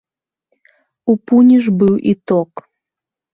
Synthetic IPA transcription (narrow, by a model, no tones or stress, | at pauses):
upunʲiʐbɨwʔḭt̪ɔk